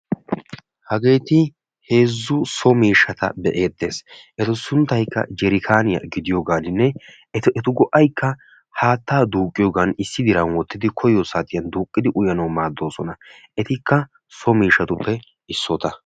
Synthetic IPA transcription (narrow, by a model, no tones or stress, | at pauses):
hɐɡe̞ːt̪ɪ | he̞ːzːʊsɔmiːʃːɐt̪ɐ̰bɛʔe̞ːd̪ːe̞ːsʔɛt̪ʊsʊnt̪ːɐjkːɐ̰d͡ʒɛɾɪkʰaːnɪjɐ̰ɡɪd̪ɪjoːɡaːlɪnːɛ | ɛɛt̪ʊɡɔʔɐjkːɐ | haːt̪ːaːd̪uːkʼːɪjoːɡɐnɪsːɪd̪ɪɾɐnwɔt̪ːɪd̪ɪkʰɔjɔsaːt̪ɪjɐnd̪uːkʼːɪd̪ɪʔʊjɐnɐwmaːd̪ːo̞ːsɔnɐ | ʔɛt̪ɪkːɐ | sɔmiːʃɐt̪ʊpːɛ | ɪsːɔt̪ɐ